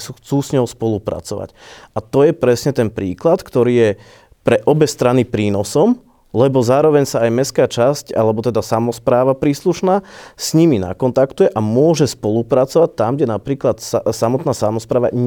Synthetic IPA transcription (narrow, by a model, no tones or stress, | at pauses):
uxt͡suːsɲɔʊspɔlupɾa̰t͡sɔʋa̰cʔat̪ɔjɛpɾɛsɲɛt̪ɛnpɾiːklat̪kt̪ɔɾiːjɛ | pɾɛʔɔbɛst̪ɾanipɾiːnɔsɔm | lɛbɔzaːɾɔʋɛɲsaːjmɛskaːt͡ʃasca̰lɛbɔt̪ɛd̪asamɔspɾaːʋapɾiːsluʃnaːsɲimina̰kɔnt̪akt̪ujɛʔamʊɔʒɛspɔlupɾat͡sɔʋac̚t̪amɡɟɛnapɾiːklat̪ssamɔt̪naːsamɔspɾaːʋa̰ɲ